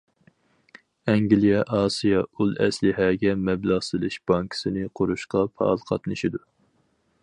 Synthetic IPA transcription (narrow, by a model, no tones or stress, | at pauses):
ɛŋɡʲlijɛʔɑːsijɑulˠɛ̰slɪɦɛːɡʲɛmɛblɑʁsɨlˠɨʃb̥ɑŋkʰsɨnɪqʰʊɾuʃqɑpʰɑ̰ːlˠqʰɑ̰t̪nɨʃid̪u